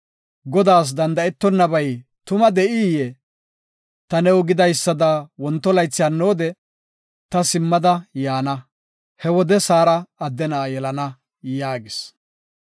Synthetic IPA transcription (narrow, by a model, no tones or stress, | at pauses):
ɡɔd̪aːs̬d̪ɐnd̪ɐɛt̪ːɔnːɐbɐjt̪ʊmɐd̪ɛʔijɛ | t̪ɐnɛwʊɡɪd̪ɐjsːɐd̪ɐwɔnt̪ːɔlɐjt͡sːɪjaːnːoːd̪ɛ | t̪ɐsɪmːɐd̪ɐjaːnɐ | hɛwɔd̪ɛsaːɾɐːd̪ːɛnaːjɛlɐnɐ | jaːɡɪs